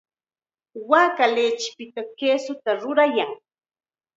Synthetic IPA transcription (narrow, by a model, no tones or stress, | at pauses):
waːkaleːt͡ʃɪ̥pɪt̪akeːsʊt̪aɾʊɾajaŋ